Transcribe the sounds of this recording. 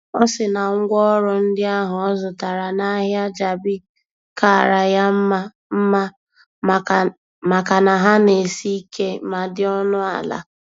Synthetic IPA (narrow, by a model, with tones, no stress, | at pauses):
ɔ˦sɪ˨na˨ŋ̩˦ɡʷɔ˦ɾɔ˨n̩˦dɪ˦a˦ɦʊ˨ɔ˦zʊ˨ta˨ɾa˨na˦ɦja˦d͡ʒa˨bɪ˦ | ka˦˨ɾa˨ja˦m̩˦ma˦ | m̩˦ma˦˨ | ma˨ka˨na˨ɦa˦ne˨si˦ke˦ma˨dɪ˦ɔ˦nʊ˦a̰˨la̰˨